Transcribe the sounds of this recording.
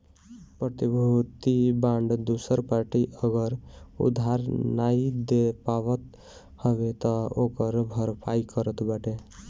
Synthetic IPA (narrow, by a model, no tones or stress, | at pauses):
pɾət̪ibʱut̪ibãɳɖd̪usəɾpaɾʈiʔəɡəɾṵd̪ʱaɾnaid̪epaʋət̪ | hɔbet̪ɔokəɾbʱəɾpʰaikəɾət̪baʈe